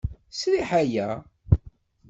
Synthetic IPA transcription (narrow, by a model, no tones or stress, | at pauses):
sliħæjæ